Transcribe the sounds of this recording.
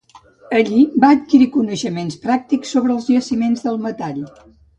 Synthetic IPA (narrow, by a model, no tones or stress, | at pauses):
əʎibaət̪̚kiɾikunəʃəmenspɾak̚t̪iksːoβɾəlˠzʎəsimenzðəlˠmət̪aʎ